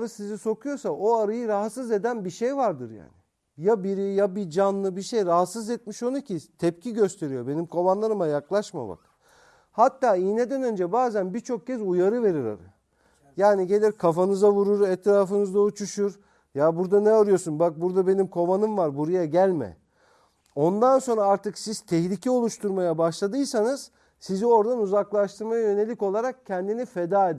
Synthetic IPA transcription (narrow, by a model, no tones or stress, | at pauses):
aɾasiziso̞kʰujo̞saʔoaɾajɯɾaɦat̪sɯze̞d̪ænbiʃejvaɾd̪ɯɾja̰ːnɪ | jabiɾijabid͡ʒanlˠɯbiʃejɾaɦat̪sɯzɛt̪̚miʃo̞nucʰit̪ʰɛp̚cʰiɟø̞st̪ʰe̞ɾijo̞be̞nimkʰo̞vanlˠaɾɯmajaklˠaʃma̰ba̰k | hat̪ːaːiːne̞d̪ænø̞nd͡ʒɛbaːzænbiɾt͡ʃʰo̞k̚cɛzujaɾɯve̞ɾiɾa̰ɾa̰ | jaːniɟe̞lʲiɾkʰafanɯzavuɾuɾɛt̪ɾaːfɯnɯzd̪aut͡ʃʰuʃuɾ | jabuɾd̪anɛaɾɯjo̞sunbak̚buɾd̪abe̞nimkʰo̞vanɯmvaɾbuɾajaɟælʲmɛ̰ | o̞nd̪anso̞nɾaaɾt̪ʰɯksiz̥t̪ʰɛçlʲicʰɛo̞lˠuʃt̪ʰuɾmajabaʃlˠad̪ɯjsanɯz̥ | sizio̞ɾd̪anuzaklˠaʃt̪ʰɯɾmajajø̞ne̞lʲiko̞lˠaɾak̚cʰɛnd̪inife̞d̪aːed̪i